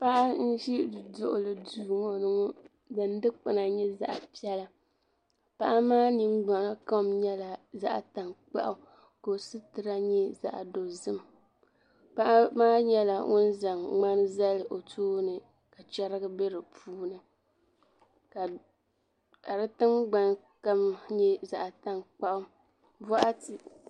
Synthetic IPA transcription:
pa˦ʔa˦n̩˦ʃi˦˨dʊ̰˨ʔʊ̰˨lɨ˨duː˨ŋo˨nɨ˦ŋɔ˦ | dɨ˨n˦dɨ˦k͡pɨ˨na˨ɲɛ˦za̰˨ʔa˨pi˦ɛ˦la˦ | pa˦ʔa˦maː˦ni˦ŋɡ͡ba˨na˦ka˦mɲɛ˦la˨za̰˦ʔa̰˨ta˨ŋk͡pa̰˦ʔʊ˦ | ko˨sɨ˦tɨ˨ɾa˦ɲɛ˦za̰˨ʔa̰˨do˨zɨ˦m | pa˦ʔa˦maː˦ɲɛ˦la̰˨ŋʊ˦n˦za˨ŋŋ͡ma˦n˦za˦lɨ˨ʔo˨tʰoː˦nɨ˨ | ka˨t͡ʃɛ˦ɾɨ˦ɡɨ˦be˦ɾɨ˨pʰuː˦nɨ˨ | ka˨ | ka˨ɾɨ˦tɨ˦ŋɡ͡ba˨n | ka˦mɲɛ˦za˨ʔta˦ŋk͡pa˦ʔʊ˦ | vɔ˦ʔa˦tɨ˨

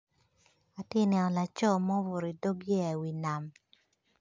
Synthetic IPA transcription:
a˨tɪ˦nɛ˨nɔ˨la˨t͡ʃɔ˦˨mɔ˦wo˨ɾi˨do˦ɡjɛ˦˨wi˨na˨m

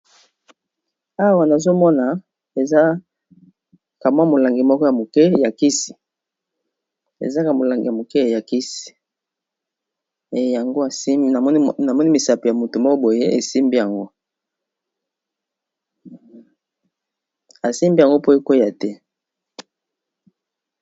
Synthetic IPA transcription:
a˦wa˨na˨zo˦mɔ˦na˨ | e˨za˦ | ka˨mwa˦mo˨la˨ŋɡi˨mɔ˦kɔ˦ja˨mo˨kɛ˦ja˨ki˦si̥˨ | ḛ˨za˦ka˨mo˨la˨ŋɡi˨ja˨mo˨kɛ˦˨ja˨ki˦si̥˨ | e˨ja˨ŋɡo˦a˨si˦na˨mɔ˦ni˦na˨mɔ˦ni˦mi˨sa˨pe˨ja˨mo˨to˨mɔ˦ko˦bo˨je˦e˨si˦mbi˦ja˨ŋɡo˦ | a˨si˦mbi˦˨a˨ŋɡo˦po˦e˦ko˦ja˨tɛ˦

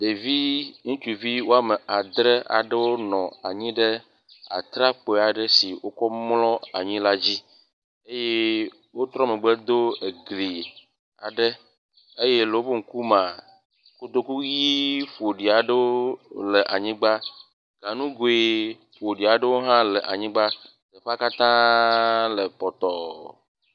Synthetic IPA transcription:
ɖe˨vi˦ŋũ˦t͡ʃu˨vi˦wo˦a˦me˨ʔa˨d̪ɾe˦ʔa̰˨ɖə˦wo˦nɔ̃˨a̰˨ɲĩ˦ɖe˦ | a̰˨t̪ɾa˦k͡pe˨a˨ɖe˦si˨wo˦kɔ˦mlɔ̃˦a̰˨ɲĩ˦la˦d͡ʑi˦ | e˦je˦ | wo˦t̪ɾɔ˦me˨ɡ͡be˦d̪o˦e˨ɡli˨ | a̰˨ɖe˦ | e˦je˦lo˨˦bo˦ŋ̩˨ku˦mã˨ | ko˦d̪o˦ku˦ji˦ɸo˨ɖi˨a˨ɖe˦wo˦le˨ʔa˨ɲĩ˦ɡ͡ba˦ | ɡ̥ã˨nũ˦ɡo˦e˦ | ɸo˨ɖi˨a˨ɖe˦wo˦ɦã˦le˨ʔa˨ɲĩ˦ɡ͡ba˦ | d̪e˨ɸa˦ka˦t̪ã˦ | le˨pɔ˨t̪ɔ˨

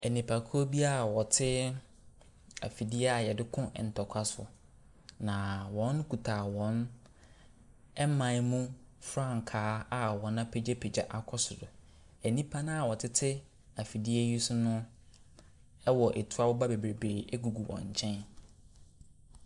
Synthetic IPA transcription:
ɛ˨nĩ˨pʰa˨kʰo˦bi˦a˦˨wɔ˨tʰɪ˦ | a̰˨fi˨di˦ɛ˦a˨jɛ˨dɪ˦kʰʊ̰̃˦˨n̩˨tʰɔ˨kʷʰa˦sʊ̰˨ | nã˨wɔ̃˨˦n˦kʰu˨tʰaː˨wɔ̃˦n | ɛ˦mã˨˦mũ˦fɾã˦˨ŋ˨kʰaː˨˦a˨wɔ̃˨˦nã˦pʰe˦d͡ʑe˦pʰe˨d͡ʑa˨ʔa˨kʰɔ˦sʊ˨dʊ˨ | ɛ˨nĩ˦pʰa˦nã˦a˨wɔ˨tʰɪ˦tʰɪ˦ | a˨fi˨di˦ɛ˦ɥi˦sʊ˦nʊ̃˦ | ɛ˦wɔ˨ʔe˨tʰu˦a˦wɔ˦ba˦be˨bɾe˨beː˨e˦ɡu˨ɡu˨wʔɔ̰̃˨ɲ̩˨t͡ɕʰɛ̃˦n

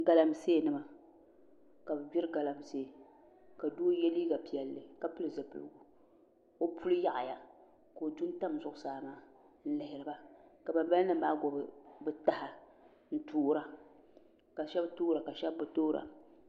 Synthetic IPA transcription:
ɡa˨la˦m˨seː˦˨nɨ˦ma˨ | ka˨bɨ˨bɛ˦ɾɡa˨la˨m˨se˦˨ | ka˨doː˦jɛ˦liː˦ɡa˨pi˨jɛ˨lːɨ˨ka˨pɨ˦lɨ˨za˨pɨ̰˨lɨ̰˨ɡu˨ | o˦pʰu˦lɨ˦ja˦ʔa̰˨ja˨ | ko˨du˦n˦ta˦˨mzʊ˦ʔʊ˦saː˨maː˦ | n̩˦lɪ˨hɪ˨ɾɨ˨ba˦ka˨ba˨mba˦lnɨ˦mbaː˦ɡʷɔ˨bɨ˨bɨ˦ta˦ha˨ | n̩˦tuː˦ɾa˨ | ka˨ʃɛ˦btoː˦ɾa˨ka˨ʃɛ˦bbɨ˦toː˦ɾa̰˨

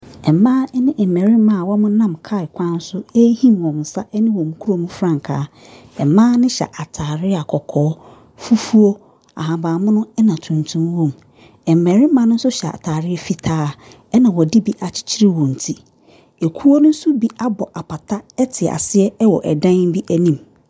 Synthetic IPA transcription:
ɛ˨mãː˦ɛ˦nɪ̃˦ʔɛ˨mɛ̃˨ɾi˦mã˦˨wɔ˦mʊ̃˦nã˦˨mkʰa˦˨ɪ˨kʷʰã˦n̩˦sʊ˦e˦hĩ˦mwɔ̃˨m˨sa˦ʔɛ˦nɪ̃˦wɔ̃˨mũ˨˦kʰu˦ɾo˦mũ˦fɾã˨ŋkʰa̰ː˨˦ | ɛ˨mãː˦nɪ̃˦ɕɛ̰˨ʔa˨tʰaː˨ɾɪ˦a˨kʰɔ˨kʰɔː˨˦ | fu˦fu˦o˦ | a̰˨ɦã˨baː˨mʊ̃˦nʊ̃˦ɛ˦nã˨tʰũ˨ntʰũ˦m˦wõ˦˨m | ɛ˨m˨mɛ˨ɾɪ̃˦mã˦nʊ̃˦sʊ˦ɕɛ˨a̰˨tʰaː˨ɾɪ˦ɛ˨fi˦tʰaː˦ | ɛ˦nã˨wɔ˨di˦bi˦ʔa˨t͡ɕʰɪ̥˦t͡ɕʰi˦ɾi˦wɔ̃˨n̩˨tʰi˦ | e˨kʰu˦wo˦nʊ̃˦n̩˦sʊ˦bi˦a˦bɔ˨ʔa˨pa˨tʰa˦ɛ˦tʰɪ˨a̰˨sɪ˦ɛ˦ɛ˦wɔ˨ʔɛ˨dã˦ŋ˦bi˦ʔæ˦nĩ˦m

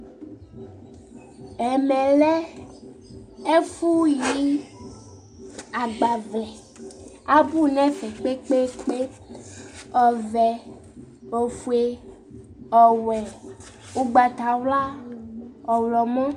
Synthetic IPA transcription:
ɛ˨mɛ̃˨lɛ˦ | e˦fu˦ji˦ | a˨ɡ͡ba˨vlɛ˨ | a˦bu˦nɛ̃˦fɛ˨k͡pe˦k͡pe˦k͡pe˦ | ɔ˨vɛ˨ | o˨fu˨e˨ | ɔ˨wɛ˨ | u˦ɡ͡ba˨t̪a˨wla˦ | ɔ˨wlɔ˨mɔ̃˦

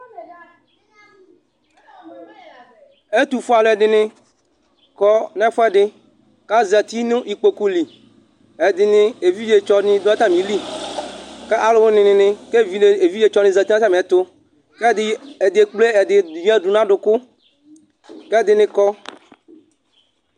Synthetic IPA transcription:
e˦t̪u˨fo˦a˨lɛ˨dɪ˨nɪ̃˦ | kɔ˦nɛ̃˦fɔ˦ɛ˨ɖɪ˦ | ka˦za˨t̪i˦nʊ̃˦ʔi˨k͡po˨ku˦li˨ | e˨d̪ɪ˨nɪ̃˦e˨vi˦d͡ʒe˨t͡ʃɔ˦nɪ̃˦d̪o˦a˦t̪a˦mĩ˨li˦ | ke˦ʔa˨lo˨˦wo˦nɪ̃˨nɪ̃˨nɪ̃˦ke˦vi˨e˨vi˦je˨t͡ʃɔ˦nɪ̃˨za˨t̪i˦ã˦t̪a˦m˨ɛ˨t̪ʊ˦ | ke˦˨e˨d̪e˨k͡ple˦˨d̪ɪ˨ɲ˦ã˦ɖu˨nã˦ɖʊ˨kʊ˦ | ke˦˨d̪ɪ˨nɪ̃˨kɔ˦

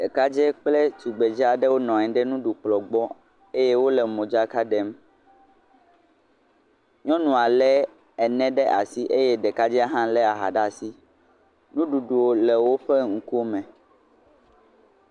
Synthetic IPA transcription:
ɖe˨ka˦d͡ʒɛ˦k͡plɛ˦tu˨ɡ͡be˨d͡ʒi˦a˨ɖɛ˦wo˦nɔ̃˨ɛ̃˨ɖɛ˦nũ˦ɖu˨k͡plɔ˨ɡ͡bɔ˦ | e˦je˦wo˦lɛ˨mõ˨d͡ʒa˦ka˦ɖɛ˦m | ɲɔ̃˦nũ˨a˨lɛ˦ | ɛ˨nɛ̃˦ɖɛ˦ʔa̰˨si˦ʔe˦jɛ˦ɖɛ˨ka˦d͡ʒɛ˦a˦ɦã˦lɛ˦a˨ɦa̰˨ɖa˨si˦ | nũ˦ɖu˨ɖu˨wo˦lɛ˨wo˦ɸɛ˦ŋ̩˨ku˦o˦mɛ̃˨

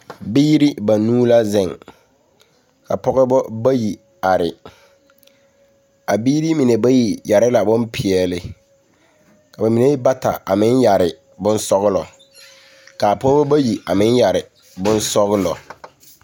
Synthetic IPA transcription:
biː˦ɾi˦ba˨nuː˦la˦zɪ˦˨ŋ | kʰa̰˨pɔ˦ɣɛ˦bɔ˦ba˦ji˨ | a˨ɾɪ˨ | a˨biː˦ɾi˦mi˨ne˨ba˦ji˨ja˨ɾɪ˦la˨bʊ̃˦mpʰɪ˨ɛ˨lɪ˨ | kʰa˨ba˨mi˨ne˦ji˦ba˦tʰa̰˨a̰˨mɪ̃˦nja˨ɾɪ˨ | bʊ̃˦n˦sɔ˦ɣɪ˦lɔ˨ | ka˨pɔ˦ɣɛ˦bɔ˦ba˦ji˨a̰˨mɪ̃˦n˦ja˨ɾɪ˨ | bʊ̃˦n˦sɔ˦ɣɪ˦lɔ̰˨

